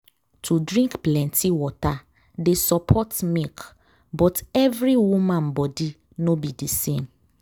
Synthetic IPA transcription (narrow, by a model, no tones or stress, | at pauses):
tʰudɹĩŋkplɛ̃ntʰiwɔta | desɔpʰɔtmik | bɔtɛvɹiwumãnbɔdi | nobidisẽm